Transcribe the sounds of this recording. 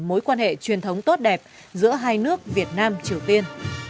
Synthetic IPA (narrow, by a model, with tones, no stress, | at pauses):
mo˨˦jkwaː˧nhḛ˧˨t͡ɕwi˨˩ənt̪ʰə˨˦wŋ͡mt̪o˦˥t̚ɗɛ˨˩p̚ | zɨ̰˧˥əɦaː˧jnɨ˦˥ək̚vi˨˩ət̚naː˧mt͡ɕi˨˩əwt̪i˧ən